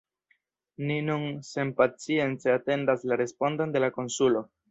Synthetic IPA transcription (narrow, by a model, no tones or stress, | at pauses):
ninunse̞mpat͡sie̞nt͡se̞ate̞ndaslaɾe̞spo̞ndo̞nde̞lako̞nsulo̞